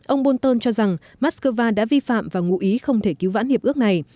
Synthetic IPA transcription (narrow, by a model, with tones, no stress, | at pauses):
ʔə˧wŋ͡mɓo˧nt̪əː˧nt͡ɕɔ˧za˨˩ŋ | maː˦˥t̚skəː˧vaː˧ɗa̰ː˧˥vi˧fa̰ː˧˨mvaː˨˩ŋṵ˧˥ʔi˨˦xə˧wŋ͡mt̪ʰe˧˩ki˨˦wva̰˧˥nhi˨˩əp̚ɨ˦˥ək̚na˨˩j